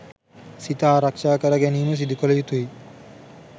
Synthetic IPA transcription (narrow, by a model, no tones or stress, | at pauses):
sit̪aːɾakʃaːkɐɾaɡɛnimus̬id̪ikolejut̪uj